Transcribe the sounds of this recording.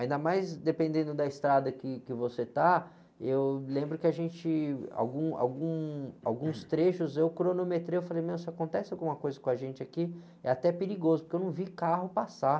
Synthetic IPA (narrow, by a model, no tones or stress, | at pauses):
aĩnd̪ɐmajzd̪epẽnd̪ẽnd̪ʊd̪ɐɪst̪ɾad̪ɐkɪkɪvoset̪a | ewlẽmbɾʊkɪaʒẽnt͡ʃɪa̰wɡũa̰wɡũa̰wɡũst̪ɾeʃʊzewkɾonomet̪ɾejewfalejmẽwsɪakõnt̪ɛsɪawɡũmɐkojzɐkõaʒẽnt͡ʃɪaki | ɛ̰at̪ɛpeɾiɡozʊpʊɾkewnɐ̃w̃vikaɦʊpasa